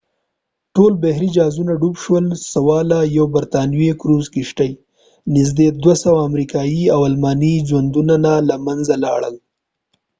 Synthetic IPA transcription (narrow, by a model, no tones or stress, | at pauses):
ʈolbehɾid͡ʒɑzunaɖubʃwəlsawɑlajawbaɾt̪ɑnwekɾuzkɪʃʈaj | nɪz̬d̪ed̪wasawaːmɾikɑjiawalmɑnid͡ʒwand̪unanalamanzalɑɽəl